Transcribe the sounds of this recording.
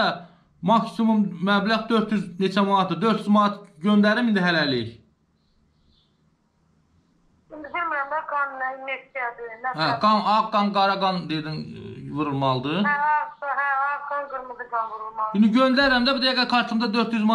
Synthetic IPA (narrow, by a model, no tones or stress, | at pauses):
mɑksimummæblæʁd̪ø̞ɾt̪ʰjyznet͡ʃʰæmɑnɑt̪̚ʰd̪ɯd̪ø̞ɾt̪ʰjyzmɑnɑt̪ɟønd̪æɾɾimind̪iɦælæliç | ind̪id̪iɾmiɾæmd̪ɑɡɑnnimekt̪ijad̪ɪnææɡɑnɑqɡɑnɡɑɾɑɡɑnd̪ed̪invuɾulˠmɑlˠd̪ɯɑkɦæɑɡɑnɡɯɾmɯzɯɡɑnvuɾulˠmɑind̪iɟønd̪æɾɾæmd̪æbud̪æɡæɾkʰɑɾt͡ʃ̪ʰɯmd̪ɑd̪øɾt̪ʰjyzmɑ